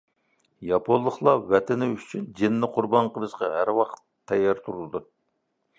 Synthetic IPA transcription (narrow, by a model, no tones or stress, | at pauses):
jɑpʰonːˠəχlˠɑwɛt̪ʰɪnɪyt͡ʃʰynd͡ʒɪnːɪqʰʊɾbɑɴqʰəlˠɨʃqɑɦæɾwɑqt̪ʰːɛjːɑɾt̪ʰuɾulˠd̪ɨ